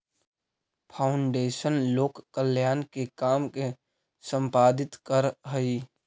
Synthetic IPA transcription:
pʰaːʊɳɖeːʃənloːkːəljaːnkekaːmke | sə̃mpaːd̪ɪt̪kəɾɦəi

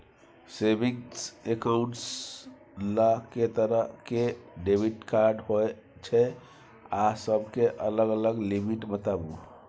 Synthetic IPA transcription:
sebiŋsekaʊ̃ɳʈs | laket̪əɾəkeɖebʱiʈkaɾɖɦoe | t͡ʃʰɛ | asəbʱkeʔələɡələɡlimiʈbət̪abu

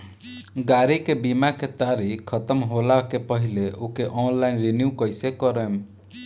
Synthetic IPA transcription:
ɡaɾikebimaket̪aɾikʰːət̪əmɦolakepəɦileokeʔɔnlainɾinjukəjsekɔɾem

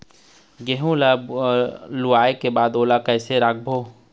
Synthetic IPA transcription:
ɡeɦũla | lʊaːekebaːd̪oːlakɛːseɾaːɡ̚bʱoː

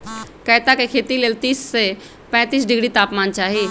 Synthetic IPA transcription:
kəːt̪akekʰeːt̪ileːlt̪iːsːe | pɛ̃ːt̪iːsɖɪɡɽit̪aːpmaːnt͡ʃaːɦie

